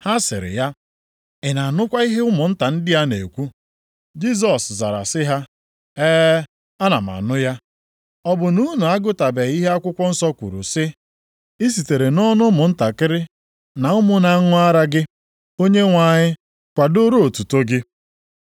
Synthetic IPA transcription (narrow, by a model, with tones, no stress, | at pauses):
ha˦sɪ̰˨ɾɪ̰˨ja˦ | ɪ˨na˨nʊ˦kʷa˦i˦ɦe˦ʊ˦mʊ˨n̩˦ta˨n̩˦dɪ˦ja˦ne˨kʷu˦ | d͡ʒi˦z̬ɔ˨sza̰˨ɾa̰˨sɪ˦ɦa˦ | eː˦ | a˦na˨ma̰˨nʊ˦ja˦ | ɔ˦bʊ˨nu˦nu˨a˦ɡʊ˦ta˨be˨˦i˦ɦe˦a˦kʷʊ˦kʷɔ˦n̩˦sɔ˦kʷṵ˨ɾṵ˨sɪ˦ | i˦s̬i˨te˨ɾe˨nɔ˦nʊ˦mʊ˨n̩˦ta˨kɪ˦ɾɪ˦ | na˨ʊ˦mʊ˦na˨˦ŋʊ˦a˦ɾa˦ɡɪ˦ | o˦ɲe˦ŋʷa˨ɲɪ˦ | kʷa˨do˦ɾu˦o˨tu˨to˦ɡɪ˦